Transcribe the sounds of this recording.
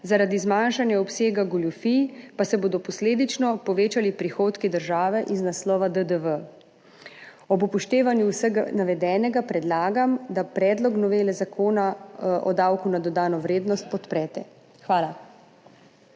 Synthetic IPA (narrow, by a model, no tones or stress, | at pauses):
zaɾad̪izmanʃanjaɔpseːɡaɡɔljufipasɛboːd̪ɔpɔsleːd̪it͡ʃnɔpɔʋeːt͡ʃalipɾixoːt̪kid̪əɾʒaːʋɛʔiznaslɔːʋad̪əd̪əʋə | ɔbupɔʃt̪eːʋanjuwsəɡanaʋɛd̪ɛːnɛɡapɾɛd̪laːɡamd̪apɾɛːd̪lɔknɔʋeːlɛzakʰoːnaɔ̰d̪awkunad̪ɔd̪aːnɔʋɾeːd̪nɔst̪̚pɔt̪pɾɛːt̪ɛ | xʋaːla